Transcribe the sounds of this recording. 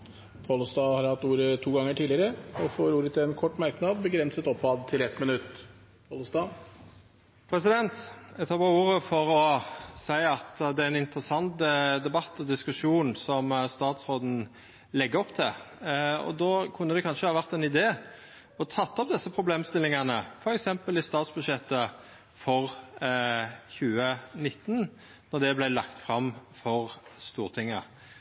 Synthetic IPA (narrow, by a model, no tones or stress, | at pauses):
pʰɑlʊst̪ɑːhɑɾhɑt̪ːuːɾət̪ʰuːɡɑŋːəʈʰiːlɪəɾəɔfoːɾuːɾət̪ʰɪɛnkʰɔʈːmɑɾknɑːd̪bəɡɾɛnsət̪ɔpːɑd̪t̪ʰɪlɛt̪mɪnʉt̪ː | pʰɑlʊst̪ɑː | pʰɾɛsɪd̪ɛnt̪æt̪ʰɑːbɑuːɾəfɔɾɔsæɪɑt̪d̪ɛæɛnɪnt̪ɾəsɑnt̪d̪ɛbɑt̪ːɔd̪ɪskʉʂuːnsɔmst̪ɑːt̪sɾoːd̪n̩ | lɛɡːəɔpt̪ʰɛ | ɔ̰d̪oːkʰʉnːəd̪ɛkʰɑnʂəhɑːʋæʁt̪ɛnɪd̪eː | ɔt̪ʰɑt̪ːɔp̚d̪ɛsːəpʰɾʊbleːmst̪ɪlːɪŋɑnəfɔɾɛksɛmpəlɪst̪ɑːt̪sbʉd̪ʂɛt̪ːə | fɔʁ | çʉːənɪt̪ːn | nɔʁd̪ɛblæɪlɑkt̪fɾɑmːfɔʁst̪uːʁt̪ʰɪŋːə̰